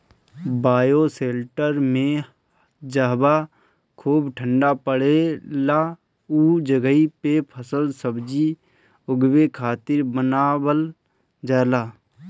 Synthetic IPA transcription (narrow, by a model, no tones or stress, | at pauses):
baːjoseːlʈəɾmẽ | d͡ʒəɦba | kʰuːbʈʰə̃ɳɖapəɽela | uːd͡ʒəɡəipepʰəsəlsəbd͡ʒi | ʊɡwekʰaːt̪ɪɾbənaːwəl | d͡ʒəːlaː